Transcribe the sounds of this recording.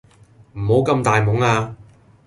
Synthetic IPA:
m̩˨˩ho˨˥wkɐ˧mt̪aː˨jmʊ˨˥ŋaː˧

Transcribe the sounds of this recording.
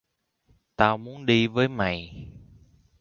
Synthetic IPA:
t̪aː˧wmu˨˦ənɗi˧vəː˨˦jma̰˨˩˨j

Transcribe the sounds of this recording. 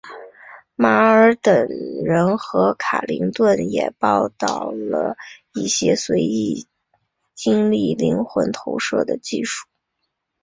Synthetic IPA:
ma˧˥ə˞˧˥t̪ə˨˩ŋɻə˧˥nxɤ˧˥kʰa̰˨˩li˧˥ŋt̪wə˥˩njɛ̰˨˩pɑ˥˧ʊt̪ɑ˥˩ʊlə˩i˥˩ɕjɛ˥swe˧˥ɪi˥˩ | t͡ɕi˥ŋli˥˩li˧˥ŋxwə̰˧˥nt̪ʰo˧˥ʊʂɤ̰˥˩d̪ə˨t͡ɕi˥˧ʂu̥˥˩

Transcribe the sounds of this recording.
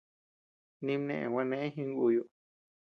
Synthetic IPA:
nĩ˧mnḛ̃˧˨ʔḛ̃˨wʷã˧nẽ˦ẽ˦ɦĩ˧ŋ˦u˧ju˧

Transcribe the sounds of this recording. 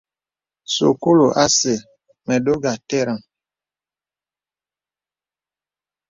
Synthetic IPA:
so̰˨ko˦lo˨ʔa˦se˨ | mɛ˨do˦ɡa˨tɛ˦˨ɾa˨ŋ

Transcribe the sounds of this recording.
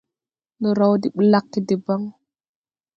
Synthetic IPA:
nɔ˨ɾa˦wdi˨ɓə˦la˦kːi˨de˨ba˦ŋ

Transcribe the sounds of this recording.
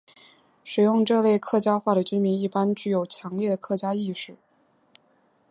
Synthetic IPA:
ʂɻ̩˨˩jʊ˥˧ŋʈ͡ʂɤ˥˧le˥˧ɪkʰɤ˥˧˩t͡ɕja˥xwa˥˩ɾə˩t͡ɕy˥nmi˧˥ŋi˥˩pa˥nt͡ɕy˥˩jo˨˩ʊt͡ɕʰjɑ˧˥ŋljɛ˥˩ɾə˩kʰɤ˥˩t͡ɕja˥i˥˧ʂɻ̩˥˩

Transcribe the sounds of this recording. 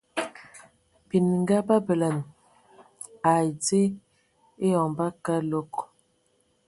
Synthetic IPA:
bi˨n˨ŋ˦ɡa˦ba˦bə˨la˨n | a˨d͡ze˦ | e˦jɔ˨ŋba˦ka˦lo˦k

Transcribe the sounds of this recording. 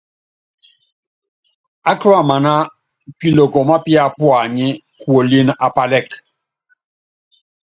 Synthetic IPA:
a˦kɾwa˦˨ma˨na˦ | pi˦lo˨kɔ˨ma˦pja˦˨pwa˨ɲɪ˦ | kwo˨li˦n˦a˨pa˨lɛ˦˨k

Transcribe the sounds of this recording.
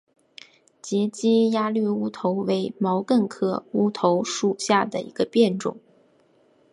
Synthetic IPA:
t͡ɕjɛ˧˥t͡ɕi˥ja˥ly˥˩u˥t̪ʰo˧˥ʊwe˧˥ɪmɑ˧˥ʊkə˥˩nkʰɤ˥˩u˥t̪ʰo˧˥ʊʂu˨˩ɕja˥˩d̪ə̰˩ḭ˧˥ɡ̥ə˧pjɛ˥˩nʈ͡ʂʊ̰˨˩˦ŋ

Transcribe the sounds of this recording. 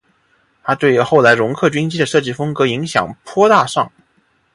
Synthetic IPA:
t̪ʰa˥t̪we˥˩ɪ˧˥xo˥˩ʊla˧˥ɪɻʊ˧˥ŋkʰɤ˥˩t͡ɕɥi˥ŋt͡ɕi˥d̪ə˨ʂɤ˥˧˩t͡ɕi˥˩fɤ˥ŋkɤ˧˥i˧˥ŋɕjɑ̰˨˩ŋpʰwɔ˥t̪a˥˧ʂɑ˥˩ŋ

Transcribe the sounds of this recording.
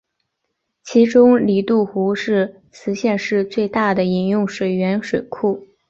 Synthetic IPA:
t͡ɕʰi˧˥ʈ͡ʂʊ˥ŋli˨˩t̪u˥˩xu˧˥ʂɻ̩˥˩ | t͡sʰɹ̩˧˥ɕjɛ˥˧nʂɻ̩˥˧t͡swe˥˧ɪt̪a˥˩d̪ə˩i˨˩njʊ˥˩ŋʂwe˨˩ɪɥɛ˧˥nʂwe˨˩ɪkʰu˥˩

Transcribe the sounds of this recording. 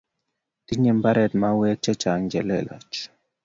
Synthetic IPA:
t̪i˦ɲɛ˨mba˦ɾɛ˨t̪ma˦wɛ˦t͡ʃɛ˦t͡ʃa˨ŋd͡ʒɛ˨lɛ̰˨lɔ̰˨t͡ʃ

